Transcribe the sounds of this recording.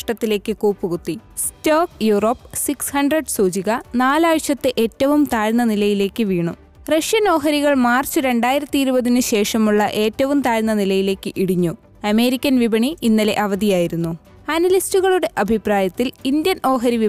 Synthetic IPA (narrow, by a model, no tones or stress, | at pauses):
ʂʈɐt̪ːile̞ːkːɨkuːpːuɣut̪ːistoːkjuːro̞ːpːsikshɐɳɖreɖsuːd͡ʑiɣɐnaːlaːʋɕɐt̪ːeʔeːtːɐʋumt̪aːɻnːɐnilɐjile̞ːkːɨʋiːɳu | rɐʂjɐno̞ːɦɐɾiɣɐɭmaːrt͡ɕːɨɾe̞ɳɖaːjiɾɐt̪ːiiɾubɐðinɨɕe̞ːʂɐmuɭːɐʔe̞ːtːɐʋumt̪aːɻnːɐnilɐjile̞ːkːɨʔiɽiɲːu | ɐme̞ːɾikʲːɐnʋibɐɳiinːɐle̞̰ʔɐʋɐðijaːjiɾunːu | ɐnɐlistuɣɐɭuɽe̞ʔɐbʱipraːjɐt̪ːilind̪jɐnʔo̞ːɦɐɾiʋi